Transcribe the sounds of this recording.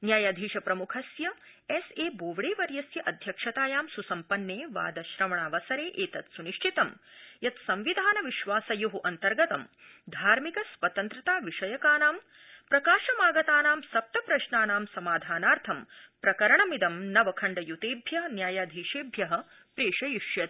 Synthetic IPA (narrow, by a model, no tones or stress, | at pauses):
njaːjaːd̪ʱiːʃɐpɾɐmukʰɐsjɐ | ɛseːboːʋɽeːʋɐɾjɐsjɐʔɐd̪ʱjɐkʂɐt̪aːjaːmsusɐmpɐnːeːʋa̰ːd̪ɐʃɾɐmɐɳaːʋɐsɐɾeːʔeːt̪ɐt̪suniʂʈʰit̪ɐmjɐt̪sɐ̃mʋid̪ʱaːnɐʋiʃʋaːsɐjuɦuʔɐnt̪ɐɾɡɐt̪ɐm | d̪ʱaːɾmikɐsʋɐt̪ɐnt̪ɾɐt̪aːʋiʂɐjɐkaːnaːm | pɾɐkaːʃɐmaːɡɐt̪aːnaːmsɐp̚t̪ɐpɾɐʃnaːnaːmsɐmaːd̪ʱaːnaːɾt̪ʰɐmpɾɐkɐɾɐɳɐmid̪ɐmnɐʋɐkʰɐɳɖɐjut̪eːbʱjɐɦɐnjaːjaːd̪ʱiːʃeːbʱjɐɦɐ̆ | pɾeːʂɐjuʃjɐt̪